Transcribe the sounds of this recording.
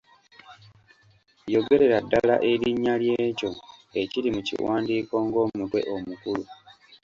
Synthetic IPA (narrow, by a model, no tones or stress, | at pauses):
jo̞ɡe̞ɾe̞ɾadːala̰ʔeɾiɲːalje̞ːco̞e̞ciɾimucḭwaːndiːko̞ːŋɡo̞ːmutwe̞̰ʔo̞mukulu